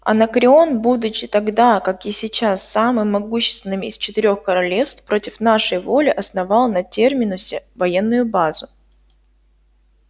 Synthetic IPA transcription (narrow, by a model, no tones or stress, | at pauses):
ɐ̰nɐkɾʲɪo̞nbud̪ʊt͡ɕːɪt̪ɐɡd̪akakɪsʲɪt͡ɕasːamɨmːɐɡuɕːɪ̥st̪vɪnːɨmʲɪɪst͡ɕɪt̪ɪɾʲo̞xkəɾɐlʲe̞fst̪fpɾo̞tʲɪfnaʂəjvo̞lʲɪʔɐsnɐvɑlˠnɐtʲe̞rmʲɪnʊsʲɪvɐjenːʊjʊbazʊ